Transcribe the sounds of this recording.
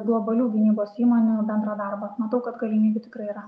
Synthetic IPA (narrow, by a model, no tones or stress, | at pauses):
ɡlˠɔbɐlʲuːɡʲɪnʲiːboːsiːmoːnʲuːbʲɛnd̪ɾɐːd̪ɑɾbɐmɐt̪ɐʊkɐt̪ɡɐlʲɪmʲiːbʲɪt̪ʲɪkɾɐɪiːɾɐ